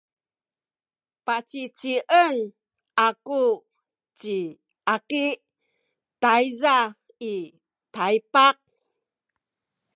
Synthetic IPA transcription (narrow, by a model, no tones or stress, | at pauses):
pat͡ɕit͡ɕiʔən | ʔaku | t͡ɕi | akiʔ | tajza | i | tajpaq̚